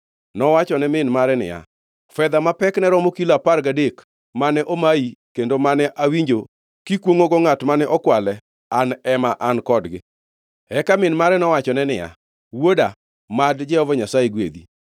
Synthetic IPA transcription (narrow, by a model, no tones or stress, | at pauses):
nɔwat͡ʃɔnɛmɪnmaɾɛnɪ̰ja̰ | fɛd̪amapɛknɛɾɔmokilaparɡadek | manɛʔomaikendomanɛʔawiɲd͡ʒo | kikwoŋoɡoŋatmanɛʔɔkwalɛ | anɛmaʔankɔdɡɪ̰ | ɛkamɪnmaɾɛnɔwat͡ʃɔnɛnɪja̰ | woda | madd͡ʒɛhɔvɔɲasajeɡwḛd̪i